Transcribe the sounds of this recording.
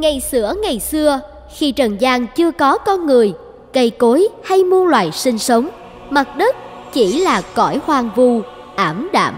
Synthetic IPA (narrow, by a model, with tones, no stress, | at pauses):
ŋa˨˩jsɨ̰˧˩əŋa˨˩jsɨ˧ə | xi˧t͡ɕə˨˩nzaː˧ŋt͡ɕɨ˧əkɔ˨˦kɔ˧nŋɨ˨˩əj | kə˧jko˨˦jha˧jmu˧ənlwa̰ː˧˨jsï˧ŋ̟sə˨˦wŋ͡m | ma˨˩t̚ɗə˦˥t̚ | t͡ɕi˧˩laː˨˩kɔ˧˩jhwaː˨˩ŋvu˧˩ | ʔaː˧˩mɗa̰ː˧˨m